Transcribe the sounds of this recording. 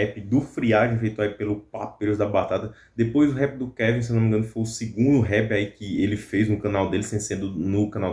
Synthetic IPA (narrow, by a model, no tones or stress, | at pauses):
ɛpɪd̪ʊfɾiaʒẽj̃fejt̪ʊaipelʊpapeʊzd̪ɐbat̪at̪ɐ | d̪epojzʊɦɛpɪd̪ʊkɛvĩsewnomĩɡɐ̃nʊkɪfojʊsiɡũnd̪ʊɦɛpiaikɪelɪfejznʊkɐ̃nawd̪elɪsẽsẽd̪ʊnʊkɐ̃naw